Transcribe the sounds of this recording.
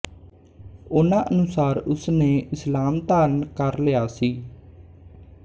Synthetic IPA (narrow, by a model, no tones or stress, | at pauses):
oːnãːʔənʊsaːɾʊsneːɪslaːmt̪aːɾnkəɾlɪaːsiː